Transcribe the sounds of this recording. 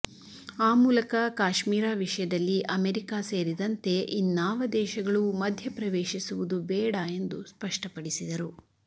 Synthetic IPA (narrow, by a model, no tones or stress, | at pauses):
aːmuːlɐkɐkaːʃmiːɾaːʋiʂɐjɐd̪ɐlːiʔɐmeɾikaːse̞ːɾid̪ɐnt̪e̞ʔinːaːʋɐd̪ɛːʃɐɡɐɭumɐd̪ʱjɐpɾɐʋeːʃisuʋud̪ubɛːɽae̞nd̪uspɐʂʈɐpɐɽisid̪ɐɾu